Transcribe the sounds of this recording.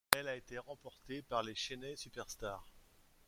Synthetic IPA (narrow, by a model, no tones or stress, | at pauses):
ɛlaet̪eʁɑ̃pɔʁt̪epaʁleʃenɛsypɛʁst̪aːʁ